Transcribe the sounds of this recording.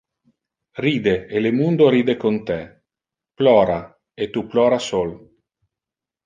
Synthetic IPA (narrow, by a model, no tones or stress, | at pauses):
riːd̪eelemund̪oɾiːd̪ekont̪ɛ | plɔːɾa | et̪uplɔːɾasol